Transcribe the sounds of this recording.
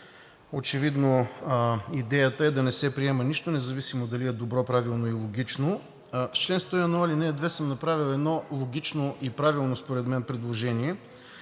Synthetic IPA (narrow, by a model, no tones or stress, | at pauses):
ot͡ʃɛvid̪no | id̪ɛjət̪əɛd̪ɐnɛsɛpɾiɛməniʃt̪onɛzɐvisimod̪ɐliɛd̪obɾɔpɾavilˠnoilˠoɡ̟ʲit͡ʃno | ft͡ʃlɛnst̪ɔjɐnualinɛd̪vɛsəmnɐpɾavilˠɛd̪nɔlˠoɡ̟ʲit͡ʃnoʔipɾavilˠnospoɾɛd̪mɛnpɾɛd̪lˠoʒɛniɛ